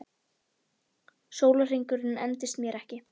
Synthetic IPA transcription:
soːwlar̥iŋkʏɾɪnːɛnt̪ɪst̪mjɛɾɛhcɪ

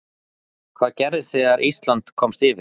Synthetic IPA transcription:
kʰv̥aːðcɛɾðɪsɛːɣaɾʔist̪lant̪kʰɔmst̪ɪːvɪ

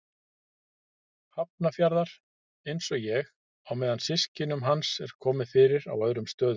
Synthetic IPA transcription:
hap̚nafjaɾðaɾ̥ | ejnsɔɣjɛɣ | awmɛːðansɪscɪnʏmɦansɛɾ̥kʰɔːmɪðfɪːɾɪɾa̰wœðɾʏmst̪œːðʏ

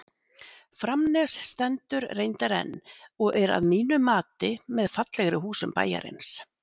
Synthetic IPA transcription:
fɾamnɛsst̪ɛnt̪ʏɾrejnt̪aɾɛ̰nːɔɣʔɛɾa̰ðmiːnʏmaːt̪ɪmɛðfat̪lɛɣɾɪhuːsʏmpa̰ːja̰ɾḛjns

